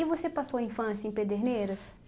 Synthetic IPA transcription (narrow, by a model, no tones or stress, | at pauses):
ɪvosepasowɐĩfɐ̃sijɐẽped̪eɾnejɾɐs